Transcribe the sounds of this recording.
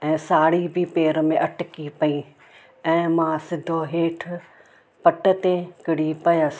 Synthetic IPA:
ɛ̃ːsaːɽibʱɪpeːɾmẽʔɐʈkipɐi | ɛ̃ːmãsɪd̪ʱoɦeːʈʰ | pɐʈə̆t̪ekɪɽ̤ipɐjəs

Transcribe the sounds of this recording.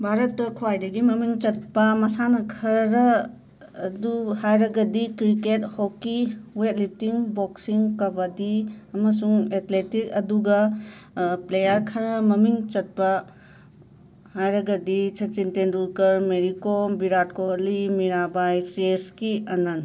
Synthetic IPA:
bʱaɾɐtːɐkʰuwajdɐɡimɐmiŋt͡ʃɐt̚pɐmɐsanɐkʰɐɾɐː | duhajɾɐɡɐdikɾikethokːiwet̚lip̚tiŋboksiŋkɐbɐdiɐmɐs̬uŋet̪letik̚ɐduɡɐ | plejɐɾkʰɐɾɐmɐmiŋt͡ʃɐt̚pɐ | hajɾɐɡɐdit͡ʃʰɐt͡ʃintendulkɐɾmeɾikobiɾat̚kolimiɾabajseskiɐnɐn

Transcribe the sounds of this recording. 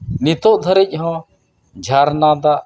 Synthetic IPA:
nit̪oːʔd̪ʱəɾɛcʲɦɔ̃ | d͡ʒʱaːɾnaːd̪a

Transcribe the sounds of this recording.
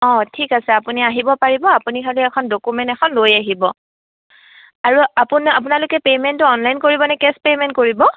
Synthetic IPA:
ɔ̃tʰikasɛapuniaɦibɔpaɹibɔapunikʰaliɛkʰɔndokumɛ̃ntɛkʰɔnlojaɦibɔ | aɹuapunapunalʊkɛpemɛntʊɔnlajnkoɹibɔnɛkɛspemɛntkoɹibɔ

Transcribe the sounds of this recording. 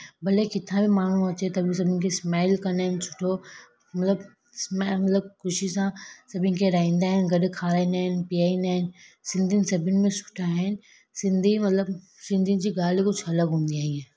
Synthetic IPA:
bɐlekɪt̪ʰãbʱimaːn̤ũɐt͡ɕet̪ɐbʱis̬ɐbʱɪnɪkʰesmaːɪlkɐnaːɦɪnt͡ʃʰʊ̥ʈʰo | mɐt̪ləb | smamɐt̪ləb̚kʊʃisãsɐbʱɪ̃nkʰeɾaːĩːnd̪aːɦɪnɡɐɗkʰaːɾaːĩnaːɦɪnpiaːinaːɦɪn̆sɪ̃nd̪ʱinɪ̆sɐbʱɪnɪ̆mẽsʊ̥ʈʰaɦɪnɪ̆ | sɪ̃nd̪ʱimɐt̪ləb | sɪ̃nd̪ʱind͡ʑiːɡaːlikʊt͡ɕʰɐləɡɦũːnd̪iaːɦĩẽ

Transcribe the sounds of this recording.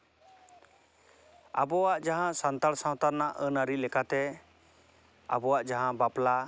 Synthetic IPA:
a̰bɔwaʔd͡ʒaɦãsant̪aɾsãw̃t̪aɾnaʔənaɾilɛkat̪ɛ | a̰bɔwaʔd͡ʒaɦãbapla

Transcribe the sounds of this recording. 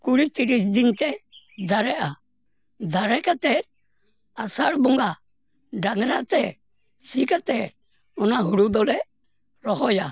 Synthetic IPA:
kuɽit̪iɾis̬d̪int̪ɛ | d̪aɾɛʔa | d̪aɾɛkat̪ɛɾ | asaɽbɔŋɡa | ɖaŋɾa̰ʔt̪ɛ | sikat̪ɛɾ | ɔnaɦuɽud̪ɔlɛ | ɾɔɦɔja

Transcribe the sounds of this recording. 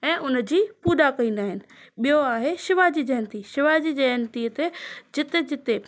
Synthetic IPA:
ɛ̃ːʔʊn̆d͡ʑiːpuːd̪akɐĩːn̆d̪aːɦɪnɪ̆ | ɓijoaːɦeʃɪʋad͡ʑiːd͡ʑɐɦnt̪iʃɪʋad͡ʑiːd͡ʑɐɦnt̪iːt̪ed͡ʑɪt̪ed͡ʑɪt̪e

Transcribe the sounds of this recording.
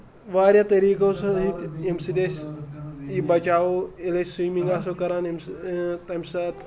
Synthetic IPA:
ʋaːɾjaːt̪ɐɾiːkõsɐ̃ɦĩt̪imsid̪es | ibɐt͡ʃaːoeleswiːmĩŋɡaːs̬okɐɾaːnimt̪ɐmʲsat̪

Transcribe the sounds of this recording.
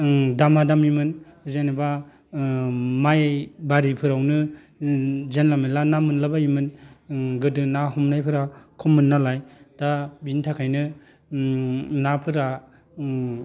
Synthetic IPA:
damadamimɯnzenba | majbaɾipʰɯɾawnɯ | zenlamalanamɯnlabaimɯnɡɯdɯnaɦɔmnajpʰɯɾakʰɔmːɯnːalajd̥abintʰakʰajnɯ | napʰɯɾa

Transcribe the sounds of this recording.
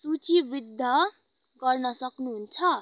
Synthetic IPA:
sut͡sibid̪ʱːʌ | ɡʌrnʌsʌknuɦunt͡sʰʌ

